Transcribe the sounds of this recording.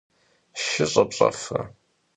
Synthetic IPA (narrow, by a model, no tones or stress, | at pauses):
ʃɪɕʼɐpɕʼɐfɐ